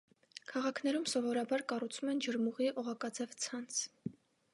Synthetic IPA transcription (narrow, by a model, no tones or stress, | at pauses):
kʰɑʁɑkʰnɛɾumsɔvɔɾɑbɑɾkɑrut͡sʰumɛnd͡ʒəɾmuʁiʔɔʁɑkɑd͡zɛvt͡sʰɑnt͡sʰ